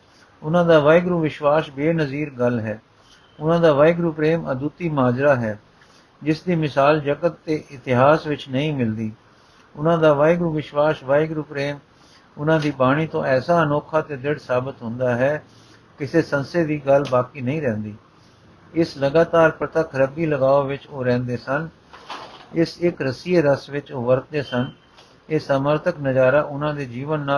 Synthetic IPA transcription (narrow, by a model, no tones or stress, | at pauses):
ʊnãːd̪aːʋaːɪɡɾuːʋɪʃʋaːsbeːnəziːɾɡəlɦɛː | ʊnãːd̪aːʋaːɪɡɾuːpɾeːməd̪uːt̪iːmaːd͡ʒɾaːɦɛː | d͡ʒɪsd̪iːmɪsaːld͡ʒəɡət̪ːeːʔɪt̪ɪɦaːsʋɪt͡ʃnəĩːmɪld̪iː | ʊnãːd̪aːʋaːɪɡɾuːʋɪʃʋaːsʋaːɪɡɾuːpɾeːm | ʊnãːd̪iːbaːɽ̃iːt̪õːʔɛːsaːənɔːkʰaːt̪eːd̪ɪɽsaːbət̪ɦʊ̃nd̪aːɦɛː | kɪseːsənseːd̪iːɡəlbaːkiːnəĩːɾɛ̃ːnd̪iː | ɪsləɡaːt̪aːɾpɾət̪əkʰɾəbiːləɡaːoːʋɪt͡ʃoːɾɛ̃ːnd̪eːsən | ɪsɪkɾəsiːɾəsʋɪt͡ʃoʋəɾt̪̚d̪eːsən | eːsaːməɾt̪ʰəknəd͡ʒaːɾaːʔʊnãːd̪eːd͡ʒiːʋənːaː